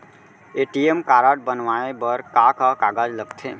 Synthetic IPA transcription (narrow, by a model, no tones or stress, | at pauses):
eʈiemkaɾaʈ̚bənʋaebəɾkakakaːɡad͡ʒləɡt̪ʰe